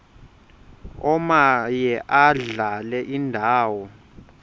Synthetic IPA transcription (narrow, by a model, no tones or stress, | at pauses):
ɔmajɛʔaɮalɛʔindʱaːwɔ